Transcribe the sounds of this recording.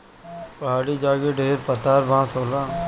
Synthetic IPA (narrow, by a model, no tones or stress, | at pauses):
pɐɦaːɽiːd͡ʒaːɡeɖeːɾpət̪aːɾʋãːsoːlãː